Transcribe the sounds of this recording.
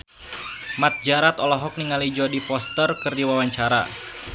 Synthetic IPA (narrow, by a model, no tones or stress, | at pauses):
mat̪̚d͡ʒaɾat̪ɔlɔɦɔk̚niŋalid͡ʒɔdipɔst̪ərkɨrdiwawaɲt͡ʃaɾa̰